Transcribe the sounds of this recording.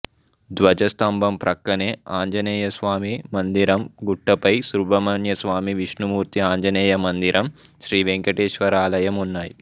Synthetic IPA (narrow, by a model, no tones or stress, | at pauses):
d̪ʋɐd͡ʒɐst̪ɐmbʱɐmpɾʔɐkːɐneːaːɲd͡ʒɐnɛːjɐsʋaːmimɐnd̪iɾɐmɡuʈːɐpɐjsɾubʱɐmɐnjɐsʋaːmiʋiʂnumuːɾt̪iaːɲd͡ʒɐnɛːjɐmɐnd̪iɾʔɐmʃɾiːʋeŋkɐʈeːʃʋɐɾaːlɐjɐmunːaːji